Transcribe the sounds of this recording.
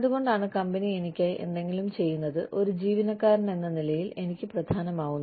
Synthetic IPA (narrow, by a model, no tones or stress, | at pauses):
ɐðuɣo̞ɳɖaːɳɨkɐmbɐnie̞nikʲːaːjʔe̞̰nd̪e̞ŋɡilumt͡ɕe̞jːunːɐðɨʔo̞ɾud͡ʑiːʋinɐkːaːɾɐɳe̞nːɐnilɐjile̞nikʲːɨprɐd̪ʱaːnɐmaːɣunː